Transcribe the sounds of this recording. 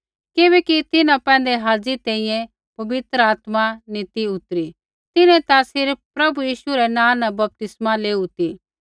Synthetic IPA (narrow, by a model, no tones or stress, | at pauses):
kɪβɛkit̪ɪnãpɛ̃ːnd̪eɦaːd͡zit̪ɛ̃ːĩːjɛ̃ | pɐbɪt̪ɾəaːt̪manɪt̪iʊt̪ɾi | t̪ɪnɛ̃t̪asɪɾpɾɐbujiːʃuɾɛnãːnɐbɐp̚t̪ɪsmaleːut̪i